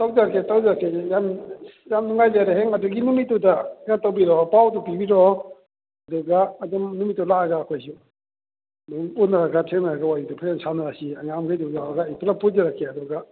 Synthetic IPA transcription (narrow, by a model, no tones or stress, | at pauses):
tawd͡ʒaɾkʰetawzaɾkʰejamjamnuŋajlaɾaɦeŋɐduɡinumitːudanatawbiɾɔpawtupibiɾɔ | ɐduɡaːdɔmnumitːɔlaaɡaːkʰojsu | duunaɾaɡatʰeŋnaɾaɡawajudupʰajamsanaɾasiaŋamkʰajduzaaɡaipʰalapʰuzaɾakʰːeɐduɡa